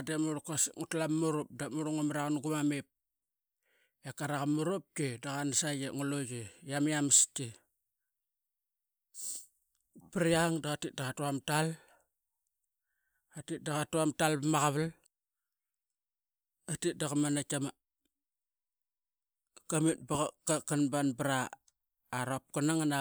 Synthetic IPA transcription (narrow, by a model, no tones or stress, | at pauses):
demuɾkasŋutlamːuɾop̚damuɾoŋamaɾakanuɡumamep̚ | jakaɾakamuɾop̚kedaɣanasajeŋuloɡejamijamste | piɾiaŋdaɣatit̚daɣatuamtal | atit̚daɣatuamtalbmaɣaβal | atit̚daɣamanakama | kamit̚baɣakakanbanbɾaː | ɾop̚konaŋana